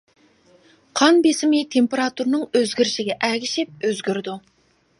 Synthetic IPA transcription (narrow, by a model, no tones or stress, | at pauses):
qʰɑnbesɪmejt̪ʰempeɾɑt̪uɾnɨŋøzɡʲɪɾɪʃɪɡʲɛʔæɡʲɪʃɪp̚øzɡʲyɾd̪u